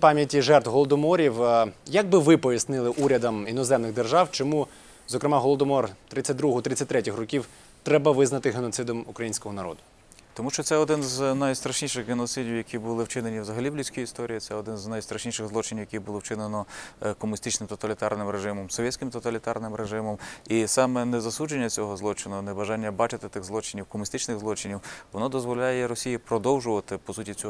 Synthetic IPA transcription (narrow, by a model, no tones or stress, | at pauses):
pɑmʲjɐtʲiʒɛrt̪wɦɔlˠɔd̪ɔmɔɾʲiwjɐɡ̚bɪʋɪpɔjʲisnɪlˠɪʔuɾʲɐd̪ɐminɔzɛmnɪɣd̪erʒɑwt͡ʃɔmu | zɔkɾɪmɑɦɔlˠɔd̪ɔmɔrt̪ɾɪt͡sʲːɐt̚ʲd̪ɾuɦʊt̪ɾɪt͡sʲːɐtʲt̪ɾɛtʲɪxrɔkʲiw | t̪ɾɛbɐʋɪznɐt̪ɪɦenɔt̪sɪd̪ɔmukɾɐjinʲsʲkɔɦɔnɐɾɔ̰d̪ʊ | t̪ɔmuʃt͡ʃɔt̪sɛɔd̪ɪnznɐjst̪ɾɐʃnʲiʃɪɣɣenɔt̪sɪdʲiwjɐkʲibʊlˠɪwt͡ʃɪnenʲiwzɐɦɐlʲiblʲisʲkɔjist̪ɔɾʲijit̪sɛɔd̪ɪnznɐjst̪ɾɐʃnʲiʃɪɣzlˠɔt͡ʃɪnʲiwjɐkʲibʊlˠɪwt͡ʃɪnenɔkɔmʊnʲist̪ɪt͡ʃnɪmt̪ɔt̪ɐlʲit̪ɑrnɪmɾeʒɪmɔmsɔʋʲɛtʲt͡sʲkɪmt̪ɔt̪ɐlʲit̪ɑrnɪmɾeʒɪmɔmisɑmɛnɛzɐsud͡ʒenʲːɐt͡sʲɔɦɔzlˠɔt͡ʃɪnʊnɛbɐʒɑnʲːɐbɑt͡ʃɪt̪ɪt̪ɪɣzˠɔt͡ʃɪnʲiwkɔmʊnʲist̪ɪt͡ʃnɪɣzlˠɔt͡ʃɪnʲiwʋɔnɔd̪ɔzʋɔlʲajɛɾɔsʲijipɾɔd̪ɔwʒʊʋɐt̪ɪpɔsutʲit͡sʲɔ